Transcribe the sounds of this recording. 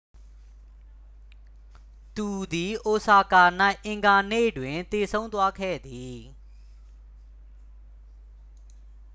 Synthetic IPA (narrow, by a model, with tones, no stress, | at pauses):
t̪u˨d̪i˨ʔo˨sa˨ka˨na˦ɪʔɪ̃˨ŋɡa˨nḛ˦˨dwɪ̃˨nt̪e˨sʰõ˦ʊ̃nt̪wa˦kʰɛ̰˦˨d̪i˨